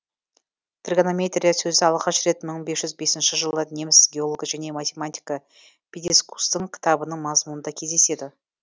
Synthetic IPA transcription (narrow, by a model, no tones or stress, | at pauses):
t̪ʰrɡanomʲe̞t̪rʲijasɵzɪɑlˠʁɑʃɾe̞t̪məɴbe̞sʒ̥ʏzbe̞sɪnʃɪʒəlˠənʲemsɡʲeolˠoɡʒæne̞mat̪ʲe̞mat̪ʲijkə | pʰʲed̪ʲesku̥st̪əŋkʲʰɪ̥t̪ɑbənəɴmɑzmunənd̪ɑkʲʰe̞zd̪e̞se̞d̪ɪ